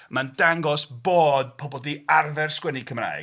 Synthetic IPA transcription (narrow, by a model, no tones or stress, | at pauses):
mandaŋɡɔsboːdpʰɔbɔlˠdiːarvɛrskwɛnikʰəmra̰ːj